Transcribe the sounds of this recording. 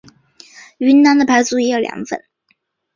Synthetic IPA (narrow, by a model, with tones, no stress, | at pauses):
y˧˥nna˧˥nd̪ə˨pʰa˧˥ɪt͡su˥˩i˧˥jɑ˧˩ʊljɑ̰˧˥ŋfə̰˥˩n